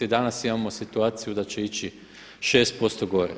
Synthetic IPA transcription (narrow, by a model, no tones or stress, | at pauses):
id̪anasimamo̞sit̪uaːt̪sijud̪at͡ɕe̞it͡ɕi | ʃe̞ːst̪̚po̞st̪oɡo̞ɾḛ